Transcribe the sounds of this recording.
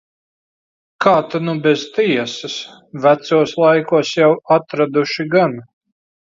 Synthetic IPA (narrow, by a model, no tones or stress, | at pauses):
kaːt̪anubɛz̥t̪iɛsɐs | væt̪suɔslˠajkuɔsjawat̪ɾad̪uʃiɡan